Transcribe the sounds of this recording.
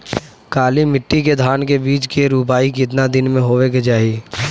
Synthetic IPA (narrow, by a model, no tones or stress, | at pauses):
kaːlimɪʈːiked̪ʱaːnkebiːt͡ʃkeɾuːpaːikit̪nad̪ɪnmẽɦoːʋeked͡ʒaːɦi